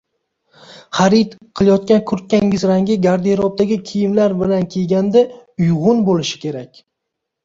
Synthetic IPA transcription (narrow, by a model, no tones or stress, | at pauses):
χaɾit̪qʰɨlˠjɒt̪̚kʲankʰʊɾt̪̚kʲaŋɪzɾaŋɡʲɪɡʲaɾd̪iɾɒp̚d̪aɡʲɪkʲʰijɪmlaɾbɪlankʲʰeɡʲand̪aʊjʁʊnbolɪʃɪ̥kʲe̞ɾakʲ